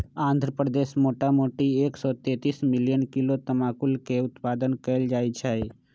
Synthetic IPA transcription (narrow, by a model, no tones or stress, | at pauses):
ãːnd̪ʱɾəpɾəd̪eːsmoːʈamoʈieːksɔt̪et̪ismɪljənkilot̪əmaːkulkeʊt̪paːd̪ənkəld͡ʒaːjt͡ʃʰɛe